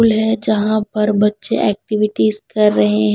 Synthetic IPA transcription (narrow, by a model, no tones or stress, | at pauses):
lɦɛd͡ʒɐɦãpɐɾbɐtːʃeʔɛːk̚ʈɪʋɪʈizkɐɾːɐɦeɦ